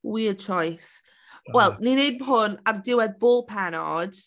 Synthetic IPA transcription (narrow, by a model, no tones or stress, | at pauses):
wiət͡ʃʰɔjs | wɛlˠninejd̚bɦʊnavdɪwɛðboːlˠpʰanɔ̰d̥